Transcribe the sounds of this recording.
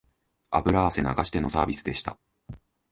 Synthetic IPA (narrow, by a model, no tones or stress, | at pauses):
a̰bɯ̟ɾaːse̞naɡaɕi̥t̪e̞nosaːbʲisɨ̥d̪e̞ɕi̥t̪a̰